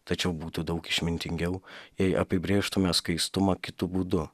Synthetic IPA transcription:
t̪ɐt͡ʃʲɛʊbuːt̪ʊd̪ɐʊkɪʃʲmʲɪnʲt̪ʲɪŋʲɡʲɛʊjɛɪʔɐpʲɪbʲɾʲeːʃt̪ʊmʲɛskɐɪst̪ʊmɐkʲɪt̪ʊbuːd̪ʊ

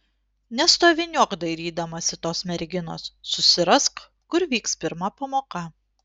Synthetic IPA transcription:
nʲɛst̪oːʋʲɪnʲuɔkd̪ɐɪɾʲiːd̪ɐmɐsʲɪt̪oːsmʲɛɾʲɡʲɪno̰ːsːʊsʲɪɾɐsk | kʊɾʋʲiːkspʲɪɾmɐpɐmoːkɐ

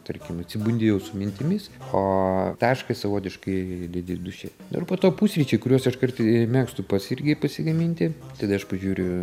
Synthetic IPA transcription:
t̪ɐrʲkʲɪmɐt̪ʲsʲɪbunʲd̪ʲejɛʊsʊmʲɪnʲt̪ʲɪmʲɪsoːt̪ɑːʃkɐsɐʋoːt̪ʲɪʃkɐɪd̪ʲed̪ʲɪd̪ʊʃʲɛ | nʊ̰ɪrpoːt̪oːpuːsʲɾʲit͡ʃʲoɪkʊɾʲuɔsɪʃkɐrt̪mʲæːkst̪upɐsɪrʲɡʲɪpɐsʲɪɡɐmʲinʲt̪ʲɪt̪ɐd̪ɐɐʃpɐʒʲuːɾʲʊ

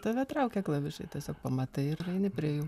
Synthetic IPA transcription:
t̪ɐːʋʲɛt̪ɾɐʊkʲɛklˠɐʋʲɪʃkɐɪt̪ʲɛsʲoːk̚pɐmɐt̪ɐɪɪɾɐɪnʲɪpʲɾʲiɛjuː

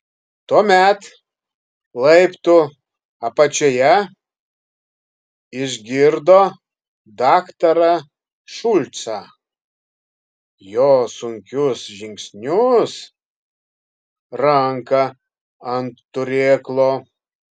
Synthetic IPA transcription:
t̪oːmʲɛt̪ | lˠɐɪpt̪ʊ | ɐpɐt͡ʃʲoːjɛ | ɪʒʲɡʲɪɾd̪oː | d̪ɑːkt̪ɐɾɐ | ʃʊlʲt̪sɐ | joːsʊŋʲkʲʊsʒʲɪŋʲksʲnʲʊs | ɾɐŋkɐ | ɐnt̪ːʊɾʲeːklˠoː

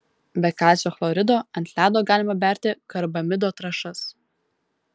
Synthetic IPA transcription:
bʲɛkɑːsʲjoːflˠɔɾʲɪd̪oːɐnʲt̪ʲlʲæːd̪oːɡɑːlʲɪmɐbʲæˑɾʲt̪ʲɪkɐɾbɐmʲɪd̪oːt̪ɾɐʃɐs

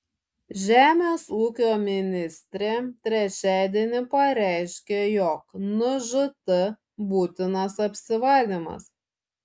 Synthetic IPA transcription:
ʒʲæːmʲeːsuːkʲoːmʲɪnʲɪsʲt̪ʲɾʲeːt̪ʲɾʲɛt͡ʃʲæˑːd̪ʲiɛnʲɪpɐɾʲæɪʃʲkʲeːjɔːknʊʒʊt̪ɐ | buːt̪ʲɪnɐsɐpʲsʲɪʋɐlʲd̪ʲimɐ̰s

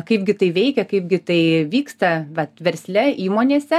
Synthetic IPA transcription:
kɐɪpɡʲɪt̪ɐɪʋʲɛɪkʲɛkɐɪp̚ɡʲɪt̪ɐɪʋʲiːkst̪ɐʋɐt̪ʋʲɛɾʲsʲlʲɛiːmoːnʲeːsʲɛ

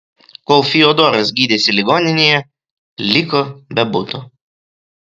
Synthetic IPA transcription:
koːlˠfʲiɔd̪oːɾɐs̬ɡʲiːd̪ʲeːsʲɪlʲɪɡoːnʲɪnʲejɛ | lʲɪkobʲɛbʊt̪ʊ

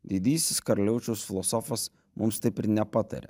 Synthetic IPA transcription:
d̪ʲid̪ʲiːsʲɪskɐɾɐlʲɛʊt͡ʃʲɛʊsfʲɪlˠɔsɔfɐs | mʊmst̪ɐɪpɪɾnʲɛpɑt̪ɐ̰ɾʲɛ̰

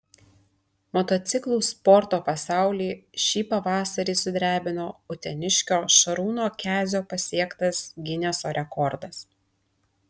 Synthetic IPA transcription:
mɔt̪ɔt̪sʲɪklˠuːspɔɾt̪oːpɐsɑˑʊlʲiːʃʲiːpɐʋɑːsɐɾʲiːsʊd̪ʲɾʲæːbʲɪnoːʊt̪ʲɛnʲɪʃʲkʲoːʃɐɾuːnoːkʲæːzʲoːpɐsʲiɛkt̪ɐsɡʲɪnʲɛsoːɾʲɛkɔɾd̪ɐs

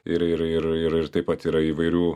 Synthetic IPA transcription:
ɪɾɪɾɪɾɪɾɪɾt̪ɐɪpɐt̪iːɾɐiːʋɐɪɾʲuː

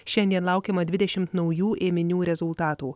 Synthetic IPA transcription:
ʃʲɛnʲd̪ʲiɛnlˠɑˑʊkʲɛːmɐd̪ʲʋʲɪd̪ʲɛʃʲɪmt̪nɒʊjuːʔeːmʲɪnʲuːɾʲɛzʊlˠt̪ɑːt̪uː

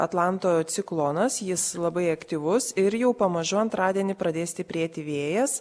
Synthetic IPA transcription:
ɐt̪lˠɑˑnt̪oːt̪sʲɪklˠoːnɐsjɪslˠɐbɐɪɐkt̪ʲiʋʊsɪɾjɛʊpɐmɐʒʊɐnt̪ɾɑːd̪ʲiɛnʲɪpɾɐd̪ʲeːsʲt̪ʲɪpʲɾʲeːt̪ʲɪʋʲeːjɛs

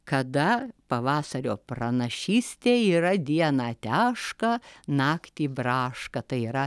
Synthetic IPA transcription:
kɐd̪ɐpɐʋɑːsɐɾʲoːprɐnɐʃʲiːsʲt̪ʲeːiːɾɐd̪ʲiɛnɑːt̪ʲæːʃkɐnɑːkt̪ʲiːbrɑːʃkɐt̪ɐɪiːɾɐ

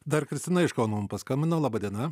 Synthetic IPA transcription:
d̪ɐrkɾʲɪsʲt̪ʲɪnɐɪʃkɐʊnɐʊmpɐskɐmʲbʲɪnoːlˠɑːbɐːd̪ʲiɛnɐ

